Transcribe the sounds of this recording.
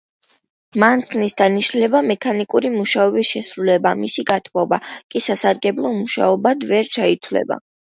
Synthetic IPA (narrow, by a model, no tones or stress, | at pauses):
mant̪ʰnisd̪aniʃnlɛbamɛkʰanikʼuɾimuʃaɔbisʃɛsɾulɛbamisiɡat̪ʰmɔbakʼisasaɾɡɛblˠɔmuʃa̰ɔbad̪vɛɾt͡ʃʰait̪ʰwlɛ̰ba̰